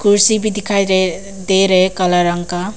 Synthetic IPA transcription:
kuɾsibid̪ʱikʰajɾe | d̪eɾekalaɾaŋka

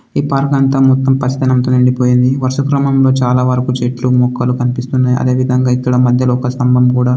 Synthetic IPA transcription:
iːpaːɾɡɐnt̪ɐmɔt̪ːɐmpɐt͡ʃɐt̪ɐnɐmt̪oːniɳɖipo̞ːjind̪iʋɐɾʂɐkɾɐmɐmlo̞ːt͡ʃaːlaːʋɐɾkut͡ʃeʈlumɔːkːɐlukɐnipist̪unːaːjʔɐ̰d̪eːʋid̪ʱɐŋɡaːikːɐɽɐmɐd̪ʱjɐluɔkɐst̪ɐmbʱɐmkuːɽaː

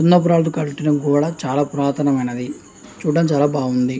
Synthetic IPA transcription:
unːɐp̬uɾaːlt̪ukɐɭʈinɐɡuːɐɽat͡ʃaːlaːpuɾaːt̪ʰɐnɐmɐjnɐd̪i | t͡ʃuːɖɐmt͡ʃaːlaːbaːɡund̪i

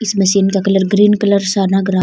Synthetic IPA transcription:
ɪsmɐsiːnkakɐləɾɡɾiːnkɐləɾsaːnaɡɾaː

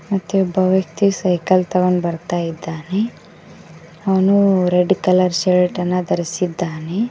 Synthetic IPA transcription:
mɐt̪ːuɔbːɐʋjɐk̚t̪isɐjkɐlt̪ɐʋɐnːbɐɾt̪aːjid̪ːaːne | ɐʋɐnuɾeɖkɐlɐɾʃeɾɐʈɐnːɐd̪ɐɾisid̪ːaːne

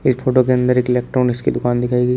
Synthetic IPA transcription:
ɪspʰoːʈokeɐ̃nd̪əɾeːkɪleːk̚ʈɾɔːnɪskid̪ʊkaːnd̪ɪkʰaːiɡə

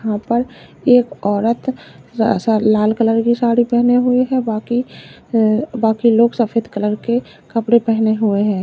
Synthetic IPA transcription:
ɦãpəɾ | eːkɔːɾət̪ʰ | salaːlkələɾkisaːɽipɛɦneɦʊeɦɛbaːki | baːkiloːɡsəpʰeːd̪kələɾke | kəpɽepɛɦneɦʊeɦɛ̃ː

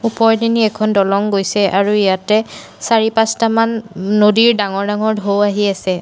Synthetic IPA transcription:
upɔɹdiniɛkʰɔndɔlɔŋɡojsɛʔaɹuijatɛ | saɹipastamanːodiɹdaŋɔɹdaŋɔɹdʱowaɦiasɛ

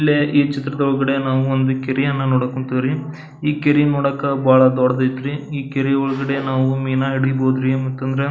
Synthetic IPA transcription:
ilːeʔiːt͡ʃit̪ɾɐd̪ɐɔɭɡɐɽe̞naːʋuond̪ukeɾijɐnːɐnoːɽɐkoɳʈid̪ɾi | iːkeɾinoːɽɐkːɐbʱaːɭɐd̪ɔːɽɐd̪ɐjit̪ɾiiːkeɾiɔɭɐɡɐɽe̞naːʋumiːnaiɽiboːd̪ɾimɐt̪ːɐnd̪ɐɾe̞

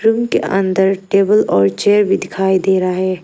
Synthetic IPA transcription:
ɾumkeʔɐ̃nd̪əɾʈeːbəlɔːɾt͡ʃeːəɾbʱid̪ɪkʰaːid̪eːɾaɦɛː

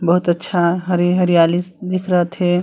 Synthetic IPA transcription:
bəɦut̪ətːʃʰaɦəɾiɦəɾijalisd̪ɪkʰɾəɦət̪ɦe

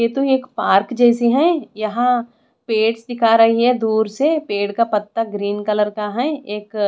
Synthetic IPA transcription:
jeːt̪oeːkpaːɾkd͡ʒɛːsiɦɛ̃jɐɦã | peːɽsd̪ɪkʰaɾɐɦiɦɛd̪uːɾsepeːɽkapɐt̪ːaɡɾiːnkɐləɾkaɦɛ̃eːk

